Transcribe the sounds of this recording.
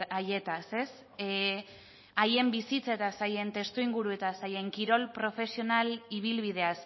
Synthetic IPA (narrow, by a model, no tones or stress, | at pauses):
aje̞t̪ase̞s | aje̞mbisit͡saet̪asaje̞nt̪e̞st̪uiŋɡuɾue̞t̪asaje̞ŋkiɾo̞lpɾo̞fe̞sio̞naliβ̞ilβið̞e̞as